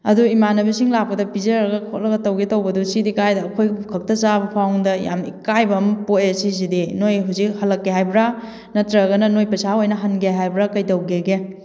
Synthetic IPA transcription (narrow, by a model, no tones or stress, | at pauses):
ɐ̰duimanɐbisiŋlak̚pɐdɐpizɐɾɐɡɐkʰoʔ̚lɐɡɐtɐwɡetɐwbɐdusidikajdɐːkʰojɡkʰɐk̚tɐt͡ʃabɐpʰawŋdɐja̰mḭkajbɐmpoesis̬idinojɦuzik̚hɐlɐkːeɦajbɾa | nɐtɾɐɡɐnɐnojpɐsaojnɐɦɐnɡeɦajbɾakɐjtɐwɡeɡe